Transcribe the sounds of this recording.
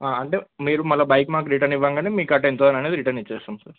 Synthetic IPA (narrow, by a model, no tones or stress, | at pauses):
aːɐɳʈeːmiːɾumɐlɐbɐjkmaːk̬ɾiʈɐniʋːaːŋɡaːneːmiːkɐʈent̪oanɐneːd̪iɾiʈɐnit͡ʃːɛːsaːmsaːɾ